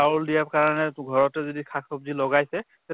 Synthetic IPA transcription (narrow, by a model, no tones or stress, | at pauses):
auldijapkaɹɔanɛɡʱɔɹɔtɛzodikʰakʰɔp̚zilɔɡajsɛ | ɛ